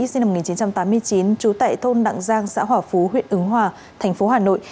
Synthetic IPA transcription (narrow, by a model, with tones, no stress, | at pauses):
si˧na˧m̚˨˩ŋi˨˩t͡ɕi˨˦nt͡ɕa˧mt̪aː˨˦mːɨ˧əjt͡ɕi˨˦nt͡ɕu˨˦t̪a̰ː˧˨jt̪ʰo˧nɗa̰˧˨ŋzaː˧ŋsa̰ː˧˥ɦwaː˧˩fu˨˦ɦwḭ˧˨ənʔɨ˨˦ŋɦwaː˧˩ | t̪ʰɛ˨˩jŋ̟fo˨˦ɦaː˨˩no̰˧˨j